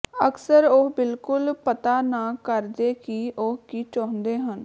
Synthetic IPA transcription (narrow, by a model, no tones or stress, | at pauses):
əksəɾobɪlkʊlpət̪aːnaːkəɾd̪eːkiʔokiːt͡ʃɔːnd̪eːɦən